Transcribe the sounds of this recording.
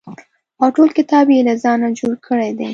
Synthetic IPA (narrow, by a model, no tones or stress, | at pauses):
awʈolkɪt̪ɑbjelazɑnad͡ʒoɽkʰəɽed̪e